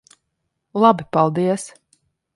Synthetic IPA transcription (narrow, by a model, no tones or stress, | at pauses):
lˠabipalˠd̪iɛs